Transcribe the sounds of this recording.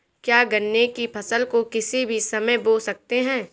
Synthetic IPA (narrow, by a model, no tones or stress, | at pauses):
kjaːɡɐnːekipʰɐsəlkokɪsibʱisɐməjboːlsɐk̚t̪eɦɛ̃ː